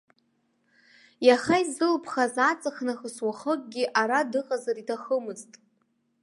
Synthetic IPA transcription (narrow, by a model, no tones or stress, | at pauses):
jaχaizɨlpʰχazat͡sʼaχnaχəswaχəkʼɡʲiʔaɾadɨqʼazaritʰaχəmɨztʼ